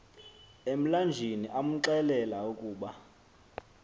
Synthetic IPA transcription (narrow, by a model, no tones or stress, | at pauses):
em̩land͡ʒʱiniʔam̩ǁɛlɛlaukʼuːɓa